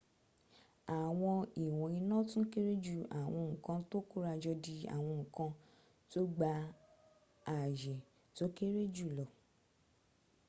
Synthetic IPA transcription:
a˨w̃ɔ̃˧i˨w̃ɔ̃˨˦ĩ˧nã˦tũ˦ke˦ɾe˦d͡ʒu˦˨a̰˨w̃ɔ̃˧ŋ̩̃˨kã˧to˦ku˦ɾa˧d͡ʒɔ˧di˧a̰˦˨w̃ɔ̃˧ŋ̩̃˨kã˧ | to˦ɡ͡ba˧ | a˨d͡ʒɛ˨ | to˦ke˦ɾe˦d͡ʒu˦˨lɔ˨

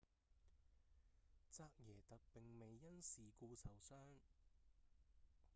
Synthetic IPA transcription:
t͡saː˧k̚jɛː˨˩t̪ɐ˨k̚pɪ˨ŋme˨jːɐ˥nsiː˨kuː˧sɐ˨˩wsœː˥ŋ

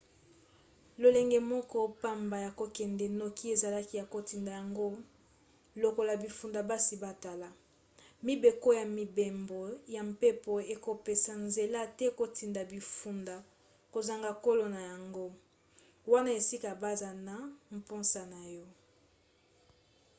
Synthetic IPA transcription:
lo˨lɛ˨ŋɡɛ˨mɔ˦kɔ˦pa˦mba˨ja˨ko˨kɛ˨ndɛ˨no˨ki˦e˨za˨la˦ki˦ja˨ko˨ti˨nda˨ja˨ŋɡo˦ | lo˨ko˨la˨bi˨fu˨nda˨ba˦si˨ba˦ta˨la˨ | mi˦be˨ko˦ja˨mi˨be˨mbo˨ja˨mpe˦po˨e˨ko˨pe˨sa˨nze˨la˦tɛ˦ko˨ti˨nda˨bi˨fu˨nda˨ | ko˨za˨ŋɡa˨ko˦lo˨na˨ja˨ŋɡo˦ | wa˦na˦e˨si˦ka˨ba˦za˨na˨m̩˨po˦nsa˨na˨jɔ˦

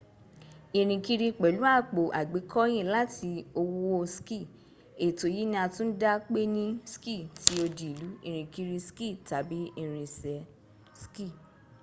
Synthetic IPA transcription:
i˧˨ɾ̃ĩ˧ki˧ɾi˧k͡pɛ˨lu˨˦a˦˨k͡po˨ʔa̰˨ɡ͡be˨˦kʰɔ˦j̃ĩ˦˨la˦ti˧o˧wo˦o˧ski˦˨ | e˨to˨ji˨˦nĩ˦a˧tũ˦n̩˦da˦k͡pe˦nĩ˦ski˦˨ti˦o˧di˨lu˨˦ĩ˧˨ɾ̃ĩ˨ki˧ɾi˧ski˦˨ta˨bi˨˦ĩ˧ɾ̃ĩ˧sɛ˨˧ | ski˦˨

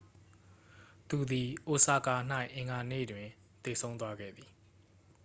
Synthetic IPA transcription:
t̪u˨d̪i˨ʔo˨sa˨ka˨n̥a˦ɪ̃ʔɪ̃˨ŋɡa˨nḛ˦˨dwɪ̃˨ | t̪e˨sʰõ˦ʊ̃t̪wa˦ɡɛ̰˦˨d̪i˨

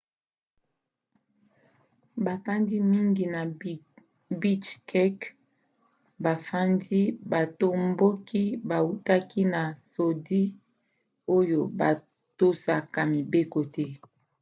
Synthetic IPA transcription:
ba˨fa˦ndi˦mi˦ŋɡi˨na˨ | bi˦t͡ʃkɛ˦k | ba˨fa˦ndi˦ba˨to˦mbo˦ki˦ba˨u˦ta˦ki˦na˨so˨di˦ | o˦jo˨ba˨ | to˦sa˨ka˨mi˨be˦ko˨tɛ˦

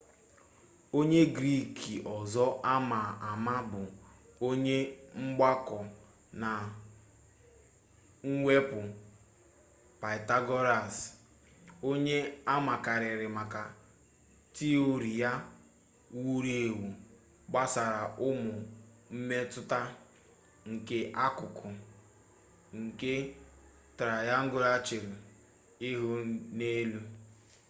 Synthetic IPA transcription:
o˦ɲe˦ɡɾi˦˨kʰi˨ʔɔ˨zɔ˦ʔa˦ma˨a˨ma˦bʊ˨o˦ɲe˦ŋ͡m̩˦ɡ͡ba˦kɔ˨ | na˨ | ŋ̩˦wʷe˦pʊ˨ | pa˨ɪ˨ta˦ɡɔ˦ɾa˨s | o˦ɲe˦a˦ma˨ka˨ɾɪ˨ɾɪ˨ma˨ka˨ | ti˦o˦ɾi˨ja˦ | wu˦ɾi˦˨wu˨ | ɡ͡ba˦sa˨ɾa˨ʔʊ˦mʊ˨ | m̩˦me˦tʊ˦ta˦ | ŋ̩˨ke˦ʔa˦kʊ˨kʰʊ˨ | ŋ̩˨ke˦ | tɾa˨ja˦ŋ̩˦ɡʊ˦ɾa˦t͡ʃɪ˨ɾʊ˨ | ɪ˦ɦʊ˦ne˦lu˦

